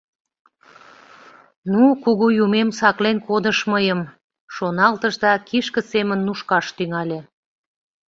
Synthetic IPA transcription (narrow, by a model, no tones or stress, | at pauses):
nukuɣujumemsɑklenkod̪əʃməjəm | ʃonɑlt̪əʒd̪ɑkiʃkə̆semənːuʃkɑʃt̪yŋɑlʲe